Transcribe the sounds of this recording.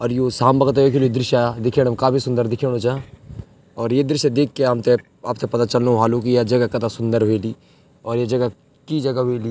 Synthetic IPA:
ɔːɾjosaːmbɐɡət̪aekʰild̪ɾɪʃaːjad̪ɪkʰeɽmkaːbisʊ̃nd̪əɾd̪ɪkʰeɽ̃od͡ʒã | ɔːɾjed̪ɾɪʃed̪eːkʰːeɦɐmt̪e | aːp̚t̪ʰepɐt̪at͡ʃɐlnũɦaːlũk̬ijad͡ʒɐɡakɐt̪asʊ̃nd̪əɾɦoiliː | ɔːɾjed͡ʒɐɡa | kid͡ʒɐɡaɦili

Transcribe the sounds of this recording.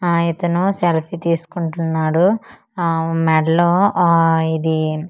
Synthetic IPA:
it̪ɐnuselpʰit̪iːsu̥kuɳʈunːaːɽu | mɛɽɐloː | id̪i

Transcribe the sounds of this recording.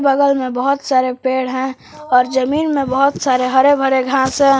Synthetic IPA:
bəɡəlmẽbəɦʊt̪saːɾepeːɽɦɛ̃ | ɔːɾd͡ʒəmiːnmẽbəɦʊt̪saːɾeɦɐɾebʱəɾeɡʱãːsɦɛ̃

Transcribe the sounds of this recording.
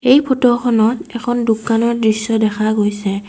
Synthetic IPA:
ejpʰotɔxʰɔnɔtɛkʰɔndukanɔɹdɹisːɔdɛxʰaɡojsɛ

